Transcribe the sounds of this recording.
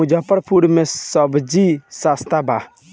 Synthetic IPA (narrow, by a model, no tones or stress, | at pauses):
ud͡ʒapəɾpʰuɽmẽsəbd͡ʒisast̪ʰaba